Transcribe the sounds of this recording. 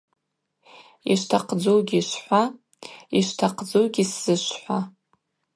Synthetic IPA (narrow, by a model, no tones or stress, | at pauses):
iʃtʰaqʰd͡zowɡʲiʃħʷa | iʃtʰaqʰd͡zowɡʲisz̥ɨʃʷħʷa